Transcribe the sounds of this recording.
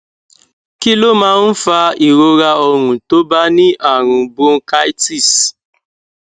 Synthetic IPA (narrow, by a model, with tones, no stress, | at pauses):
ki˦lo˦mãː˦n̩˦fa˧i˨ɾo˧ɾa˧ɔ˧ɾ̃ũ˨to˦ba˦nĩ˦ʔa˦˨ɾ̃ũ˨bo˦ka˦i˦ti˦˨s